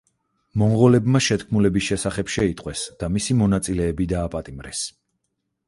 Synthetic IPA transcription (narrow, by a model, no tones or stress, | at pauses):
mɔɴʁɔlɛbmaʃɛt̪kʰmulɛbisʃɛsaχɛpʃɛit̪ʼqʼwɛsd̪̥amisimɔnat̪sʼilɛːbid̪aːpʼat̪ʼimɾɛ̰s